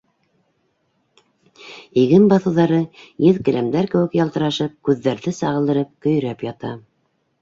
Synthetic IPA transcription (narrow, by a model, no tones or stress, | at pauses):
iɡɘmbɑθɤ̆wðɑɾɤjɘðkɘ̆læmd̪æɾkɘ̆wɘ̆kjɑlˠt̪ɤ̆ɾɑʃɤp̚kʉðːæɾðɘsɑʁɤlˠd̪ɤ̆ɾɤp̚kɵ̆j̆ɾæpjɑt̪ɑ